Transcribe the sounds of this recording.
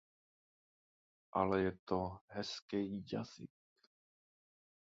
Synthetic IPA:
ʔa̰lɛjɛt̪oɦɛskɛjːa̰z̥ɪ̰k

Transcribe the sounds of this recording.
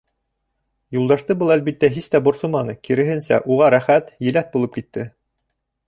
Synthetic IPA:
julˠd̪ɑʃt̪ɤbɤlˠælβit̪ːæɦist̪æbŏɾsomɑnɤkiɾɘ̆ɦɘ̆nsæ̰ʔuʁɑɾæχæt̪jɘ̆læθ̚bulˠɤp̚kit̪ːɘ

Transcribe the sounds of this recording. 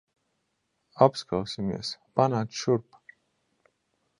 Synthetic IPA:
apskʰawsimɛ̰sb̥anat̪ʃuɾp

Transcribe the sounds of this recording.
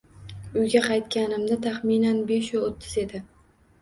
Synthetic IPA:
ʊjɡʲaqʰɑjt̪kʲanɪmd̪at̪ʰaχminanbeʃʊot̪ʰːɪze̞d̪ɪ

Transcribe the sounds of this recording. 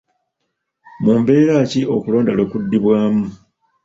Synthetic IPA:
muːmbe̞ːɾaːcio̞kulo̞ːndalo̞ːkudːiβwaːmu

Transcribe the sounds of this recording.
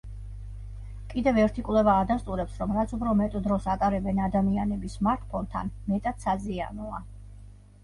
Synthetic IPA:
kʼid̪ɛvɛɾt̪ʰikʼwlɛvaːd̪ast̪ʼuɾɛpsɾɔmɾat̪sʰupʰɾɔmɛt̪ʼd̪ɾɔsat̪ʼaɾɛbɛnad̪amianɛbismaɾt̪ʰpʰɔnt̪ʰa̰nmɛt̪ʼad̪̥sazia̰nɔa

